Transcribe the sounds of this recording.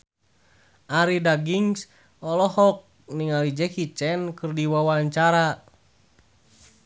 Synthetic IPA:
ʔaɾidaɡiŋs | ɔlɔɦɔk̚ | niŋalid͡ʒɛkit͡ʃɛnkɨrdiwawalɲt͡ʃaɾa

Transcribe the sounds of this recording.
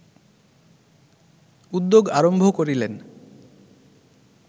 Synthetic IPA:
ud̪ːoɡaɾombʱokoɾilen

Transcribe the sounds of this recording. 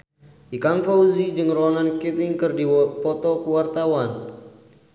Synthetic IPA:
ʔikaŋfawzid͡ʒɨŋrɔnankit̪ɪŋkɨrdipɔt̪ɔkuwart̪awan

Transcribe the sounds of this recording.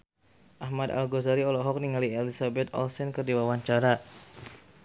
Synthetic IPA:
ʔahmad̪a̰lɡozaɾiɔlɔɦɔk̚niŋaliɛlisabɛt̪ɔ̰lsɛnkɨrdiwawaɲt͡ʃaɾa

